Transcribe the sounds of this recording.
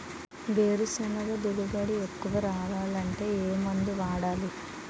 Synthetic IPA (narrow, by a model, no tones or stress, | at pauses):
ʋeːɾusɐnɐɡɐd̪iɽubɐɽiekːuʋɐɾaːʋaːlɐɳʈe̞ːeːmɐnd̪iʋaːɽaːli